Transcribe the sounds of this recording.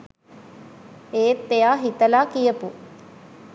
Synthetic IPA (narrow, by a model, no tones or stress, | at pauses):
eːt̪ːejaːɦit̪ɐlaːkijɐpu